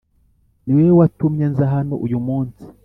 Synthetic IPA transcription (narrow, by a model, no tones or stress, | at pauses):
niwewatumɲenzaɦano̰ʔujumuːnsi̥